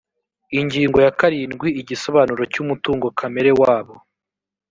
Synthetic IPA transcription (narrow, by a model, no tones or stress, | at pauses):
iɲɟiːŋɡojakaɾiːnɡwiiɟiso̞βaːnuɾo̞cumutuːŋɡo̞kʰame̞ɾe̞waːβo̞